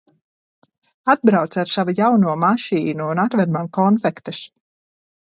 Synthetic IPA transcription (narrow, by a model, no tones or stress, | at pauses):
ad̪̚bɾawt̪saɾsavujawnuɔmaʃiːnuːnat̪vad̪maŋkɔnfɛkt̪ɨs